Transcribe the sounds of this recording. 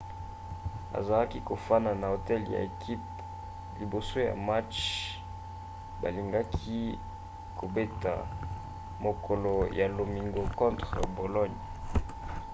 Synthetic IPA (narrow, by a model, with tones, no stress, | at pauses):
a̰˨za˨la˦ki˦ko˨fa˦na˨na˨o˨tɛ˦lja̰˨e˨kʰi˦p̚ | li˨bo˨so˦ja̰˨ma˦t͡ʃ | ba̰˨li˨ŋɡa˦kʰi˦ | kʰo˨be˦ta̰˨ | mo˨kʰo˨lo˨ja˨lo˨mi˨ŋɡo˨kɔ̃˦ntʁə˨bo˨lɔ˦ɲ˨